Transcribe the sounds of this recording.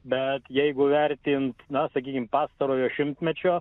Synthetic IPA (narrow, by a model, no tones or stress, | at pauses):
bʲɛt̪jɛɪɡʊʋʲɛɾʲt̪ʲiːnt̪nɐsɐkʲiːkʲɪmpɑːst̪ɐɾoːjoːʃʲɪmt̪ʲmʲɛt͡ʃʲoː